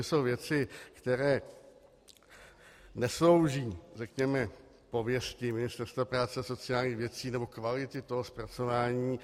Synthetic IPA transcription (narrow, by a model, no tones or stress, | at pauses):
ɪso̞wvjɛt͡sɪkt̪ɛɾɛː | nɛslo̞wʒiːrɛkɲɛmɛ | po̞vjɛscɪmɪnɪst̪ɛɾst̪vapɾaːt͡sɛso̞t͡sɪaːlɲiːxvjɛt͡siːnɛbo̞kvalɪt̪ɪt̪o̞ɦospɾat͡so̞vaːɲiː